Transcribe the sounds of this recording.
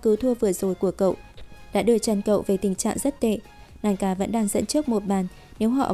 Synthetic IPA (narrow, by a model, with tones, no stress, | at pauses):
kɨ˨˦t̪ʰu˧əvɨ˨˩əzo˨˩jku˧˩əkə̰˧˨wʔɗa̰ː˧˥ɗɨ˨˩ət͡ɕa˨˧˩nkə̰˧˨wve˨˩t̪ï˨˩ŋt͡ɕa̰ː˧˨ŋzə˦˥t̚t̪ḛ˧˨ | maː˨˩jkaː˨˩və̰˧˥nɗaː˧ŋzə̰˧˥nt͡ɕɨ˦˥ək̚mo˨˩t̚ɓaː˨˩n | ne˨˦wɦɔ̰˧˨